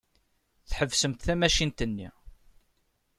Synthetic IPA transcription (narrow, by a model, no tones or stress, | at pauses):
θħəvsəmt̪θæmæʃint̪ənːḭ